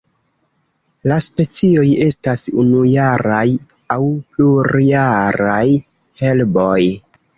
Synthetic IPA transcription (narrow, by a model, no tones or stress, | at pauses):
laspe̞t͡sio̞je̞stasunujaɾaj | awpluɾjaɾaj | he̞lbo̞j